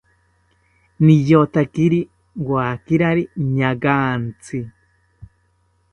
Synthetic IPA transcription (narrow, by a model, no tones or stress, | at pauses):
nijot̪akiɾi | waːkiɾaɾiɲaɡaːnt͡si